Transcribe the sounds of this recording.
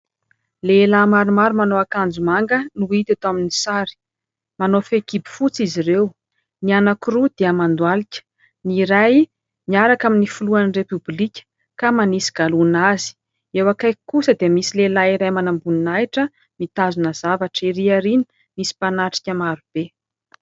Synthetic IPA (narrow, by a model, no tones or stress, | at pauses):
leːlamaɾumaɾumanoakand͡zumaŋɡənuit̪at̪oaminisaɾi̥ | manofekibi̥fut͡sizirew | nianakurud̪̥eəmand̪walikʲə̥ | niɾaj | niaɾakaminifuluanrepyblikʲə̥ | kamanisi̥ɡ̥alunazi̥ | ewakajkusəd̪iəmisilelaiɾajmanambuninajʈ͡ʂə | mit̪azunəz̥avaʈ͡ʂiɾiaɾini̥ | misi̥panaʈ͡ʂi̥kʲəmaɾub̥e